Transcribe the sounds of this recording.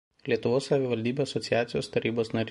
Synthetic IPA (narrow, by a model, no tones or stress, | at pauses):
lʲiɛt̪ʊʋoːssɐʋʲɪʋɐlʲd̪ʲiːbʲoːɐsɔt̪sʲɪjæːt̪sʲɪjoːst̪ɐɾʲiːboːsnɐɾʲ